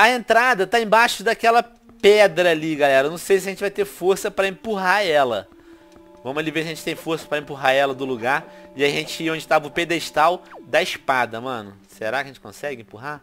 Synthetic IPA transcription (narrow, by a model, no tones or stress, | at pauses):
ɐẽnt̪ɾad̪ɐt̪aẽbaʃʊd̪akɛlɐ | pɛd̪ɾɐːliɡalɛɾɐnɐ̃w̃sejs̬ɪɐʒẽnt͡ʃɪvajt̪eɾfoɾsɐpɾɐẽpuɦaɛlɐ̰ | vɐ̃mʊzalivesjɐʒẽt͡ʃɪt̪ẽj̃foɾsɐ̥pɾɐẽpuɦaɛlɐd̪ʊluɡaɾɪaiʒẽnt͡ʃɪiõnd͡ʒɪt̪avʊped̪eʃt̪awd̪ɐɪʃpad̪ɐmɐ̃nʊseɾakjɐʒẽt͡ʃɪ̥kõsɛɡɪẽpuɦa